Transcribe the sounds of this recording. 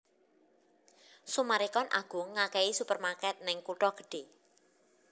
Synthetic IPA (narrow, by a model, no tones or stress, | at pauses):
sumaɾikɔnʔa̰ɡ̥ṳŋakɛisupərmarkɛt̪̚nɪŋkuʈɔɡ̥ə̤̥ɖ̥e